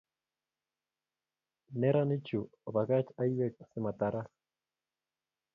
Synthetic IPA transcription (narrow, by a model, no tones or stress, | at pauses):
neɾanit͡ʃuβaɣat͡ʃajwek̚semat̪aɾa